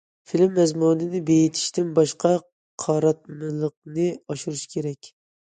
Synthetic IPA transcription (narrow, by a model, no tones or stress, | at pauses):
filmːɛzmunɨnɪbejit̪ʰi̥ʃt̪ɪnbɑʃqʰɑ | qʰɑɾɑt̪̚mɨlˠəq̚nɨɑʃuɾɨʃkʲʰeɾɛkʲ